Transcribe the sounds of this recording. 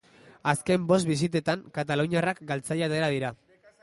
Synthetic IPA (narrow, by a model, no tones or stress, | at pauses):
aske̞mbo̞st̪̚bis̬it̪e̞t̪aŋkat̪aluɲarakɡalt͡sajat̪e̞ɾaðiɾa